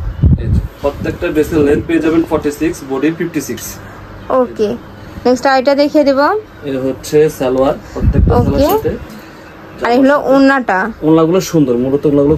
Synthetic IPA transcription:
epɾot̪ːekʈaɖesilːenpeed͡ʑabenfɔɾʈːisiksboɖififʈisiks | oke | neksʈajʈad̪ekʰijed̪ebo | eɦotːɕʰeseloaɾpot̪ːek̚ʈaosɛlaet̪e | aɾeɦuloʔunːaʈaunːaɡuloʃund̪oɾmulot̪ounːaɡulo

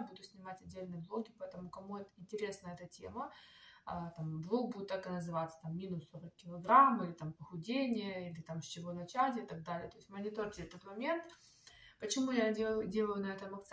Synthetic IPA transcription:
bud̪ʊsʲnʲɪmatʲɐdʲːelʲnɨjəblˠolˠɡʲɪpɐɛt̪əmʊkɐmuɛt̪ɪnʲtʲɪɾʲe̞snəjəɛt̪ətʲḛməat̪amblˠok̚bud̪ʲɪt̪ːakɨnəzɨvat̪sə̥t̪amːʲinʊsːoɾəkʲːɪlˠɐɡɾamilʲɪt̪ampəxʊdʲenʲɪjəilʲɪt̪amsʲt͡ɕɪvo̞nɐt͡ɕatʲɪt̪ɐɡ̚d̪alʲɪət̪o̞ɪsʲtʲmənʲɪt̪ortʲɪɛt̪ət̪mɐmʲe̞nt̪ | pət͡ɕɪmujadʲdʲe̞lˠəjʊnɐɛt̪əmɐkt̪s

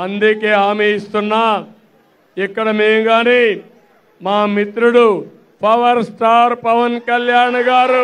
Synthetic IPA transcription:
ɐnd̪ikeːaːmeist̪unːaː | ikːɐɽɐmeːmɡaːniː | maːmit̪ɾuɽu | pʰɐʋɐɾsʈaːɾpɐʋɐnkɐljaːɳɡaːɾu

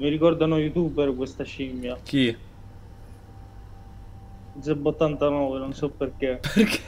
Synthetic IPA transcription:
miɾikɔrd̪anojut̪uːbeɾkwest̪aʃimjaki | ebot̪ːant̪anɔːvenonsɔpːerkeperke

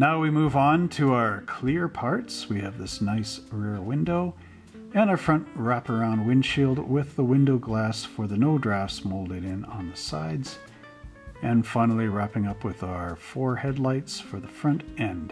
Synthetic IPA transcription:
naʊwimuvn̩tʰɨaʊə˞kʰl̥ɪɹpʰɑɹtswiɨvðɪsnaɪsɹɛɹwɪ̃ndoʊ | ɨ̃ñaə˞fɹʌ̃nʔɹæpə˞ãʊ̃nd̚wɪ̃nʃilˠd̚wɪðəwɪ̃ndoʊɡlæsfə˞ðɨnoʊdɹæfsmoʊlˠdɨɾɪ̃nə̰̃nðəsa̰ɪdz̥ | ɨ̃nfãɪ̃nl̩ˠiɹæpɪ̃ŋʌpwɨðaʊə˞fɔɹhɛdˡlaɪtsfə˞ðəfɹʌ̃ntɛ̃nd̥

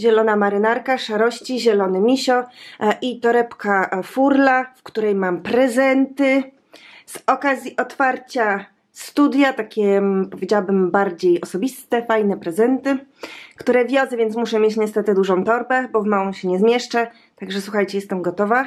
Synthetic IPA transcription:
ʑɛlɔnamaɾɘnaɾkaʂaɾɔɕt͡ɕiʑɛlɔnɘmʲiɕɔʔit̪ɔɾɛpkafuɾlafkt̪uɾɛjmampɾɛzɛnt̪ɘ | z̥ɔkazʲiʔɔt̪faɾt͡ɕa | st̪ud̪ʲjat̪akʲɛpɔvʲed͡ʑawabɘmbaɾd͡ʑejɔsɔbʲist̪ɛfajnɛpɾɛzɛnt̪ɘkt̪uɾɛvʲjɔd̪zɛvʲjɛnt̪smuʂɛmʲjet͡ɕɲɛst̪ɛt̪ɘd̪uʐɔ̃w̃t̪ɔɾbɛbɔvmawɔ̃w̃ɕɛɲɛzmʲjɛʂt͡ʂa | t̪aɡʐɛswuxajt͡ɕɛjɛst̪ɛmɡɔt̪ɔva

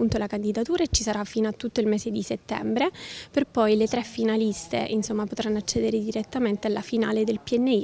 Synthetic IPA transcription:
unt̪olakand̪id̪at̪uːɾaet͡ʃisaɾafːiːnoat̪ːut̪ːoilmɛːzed̪iset̪ːɛ̰mbɾeperpɔjlet̪ɾɛfːinalist̪ḛʔinsomːapot̪ɾanːoat͡ʃːɛːd̪eɾed̪iɾet̪ːament̪ealafinaːled̪elpiɛnːei

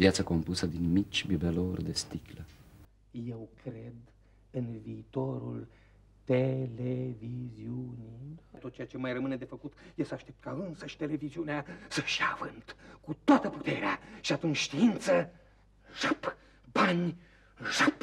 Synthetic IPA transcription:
vjat̪sako̞mpusəd̪inmit͡ʃʲbibelorʲd̪est̪iklə | je̞wkʰɾe̞d̪ | ɨnviːt̪o̞ɾṵl | t̪e̞leviziunit̪ot̪̚t͡ʃejat͡ʃe̞majrəmɨne̞d̪e̞fəkut̪je̞səaʃt̪e̞p̚t̪̚kaɨnsəʃt̪e̞le̞viziuneasəʃia̰vɨnt̪kut̪oat̪əput̪e̞ɾeaʃiat̪unt͡ʃʲʃt̪iint̪sə | ʐap | banʲ | ʒap

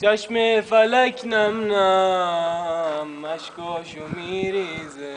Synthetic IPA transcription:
t͡ʃɐʃmefɐlɐkʲʰnɐmna | mɐʃkoʃumiɾiz

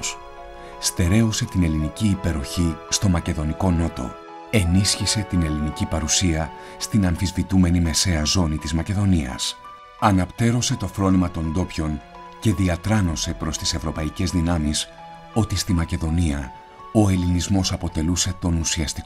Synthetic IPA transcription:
st̪e̞ɾe̞ose̞t̪ine̞liniciːpe̞ɾo̞çist̪o̞mɐce̞ðo̞niko̞no̞t̪o̞̰ | e̞nisçise̞t̪ine̞linicipɐɾusiɐ | st̪inɐɱfizvit̪ume̞nime̞se̞ɐzo̞nit̪izmɐce̞ðo̞niɐ̰s | ɐnɐpt̪e̞ɾo̞se̞t̪o̞fɾo̞nimɐt̪o̞nd̪o̞pço̞n | ce̞ðiɐt̪ɾɐno̞se̞pɾo̞st̪i̥se̞vɾo̞pɐice̞zðinɐmis | o̞t̪ist̪imɐce̞ðo̞niɐ | o̞elinizmo̞sɐpo̞t̪e̞luse̞t̪o̞nusiɐst̪i̥k

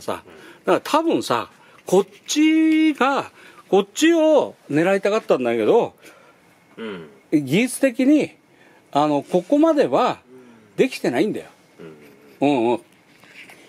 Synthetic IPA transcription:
sa̰d̪̥akɾt̪ʰabɯ̟̃ɰ̃sa̰ | kʰo̞ | t͡ɕiɡa | ko̞ɕio̞ne̞ɾait̪akat̪ːãnd̪aoke̞d̪o̞ | ɡʲit͡sɨ̥t̪e̞k̬ʲiɲ̟i | ano̞ko̞ko̞mad̪e̞βa | d̪e̞kʲi̥t̪e̞naĩnd̪a̰jo̞ | ɯ̟̃ɴ̃

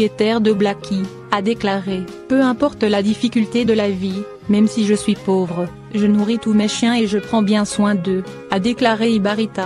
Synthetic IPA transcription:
et̪ɛʁd̪əblakʲʰi | ad̪eklaʁe | pøɛ̃pɔʁt̪lad̪ifikʲylt̪ed̪əlavi | mɛmsiʒəsɥipovʁə | ʒənuʁit̪umeʃjɛ̃eʒəpχɑ̃bjɛ̃swɛ̃d̪ø | ad̪eklaʁeibaʁit̪a

